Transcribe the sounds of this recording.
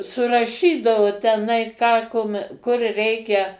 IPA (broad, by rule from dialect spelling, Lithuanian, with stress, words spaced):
sʊrɐˈʃʲiːdɐʋʊ tʲɛˈnɐɪ kɑː kʊm kʊr ˈrʲɛɪkʲɛ